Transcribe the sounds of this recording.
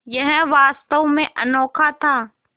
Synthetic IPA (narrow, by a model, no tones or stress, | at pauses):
jɐɦɪ̃ʋaːst̪əwmẽʔɐnɔːkʰat̪ʰaː